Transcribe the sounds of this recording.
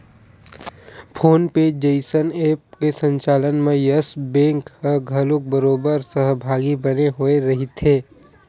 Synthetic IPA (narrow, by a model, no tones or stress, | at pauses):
pʰoːnpeːd͡ʒd͡ʒeɪsəneːp̚kesə̃ɲt͡ʃaːlənmẽjəsbẽːŋkhəɡʱəlʊk̚bəɾoːbəɾsəɦbʱaːɡibɐneɦoeɾɐɦit̪ʰeː